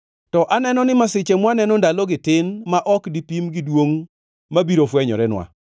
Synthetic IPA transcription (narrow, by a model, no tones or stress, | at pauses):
tɔʔanɛnɔnɪmasɪt͡ʃemwanɛnɔndalɔɡɪtɪnmaʔɔkdipimɡɪdwoŋ | mabiɾofwɛɲɔ̰ɾɛnwa̰